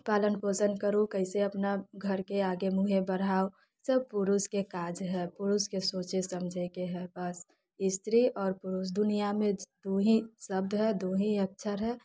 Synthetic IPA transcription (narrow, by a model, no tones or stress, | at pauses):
paːlənpoːsənkəɾũkəɪseɐpnaɡʱəɾkeaːɡemuɦebəɽ̤aːo | səb̚pʊɾuskekaːd͡ʒɦɛːpʊɾuskesoːt͡ʃesəmd͡ʒʱekeɦɛːbəs | ɪst̪ɾiʔɔːɾpʊɾus̬d̪ʊnijamẽd̪oːɦĩsəb̚d̪ɦɛd̪oːɦĩək̚t͡ʃʰəɾɦɛː